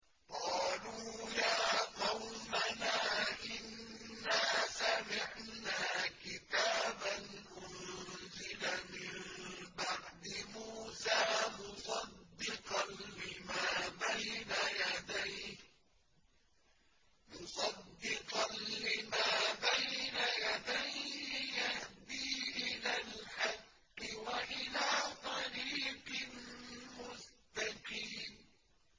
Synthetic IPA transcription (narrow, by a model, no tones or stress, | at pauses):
qɑːluːjaːqɑwmanaːʔɪnːaːsamɪʕnaːkɪt̪aːbanʔʊnzɪlamɪmbaʕd̪ɪmuːsaːmʊsˤɑd̪ːɪqɑnlɪmaːbajnajad̪ajh | mʊsˤɑd̪ːɪqɑnlɪmaːbajnajad̪ajhɪjahd̪iːʔɪlaːlħɑqː | ɪwaʔɪlaːt̪ˤɑɾiːqɨlmʊst̪aqiːm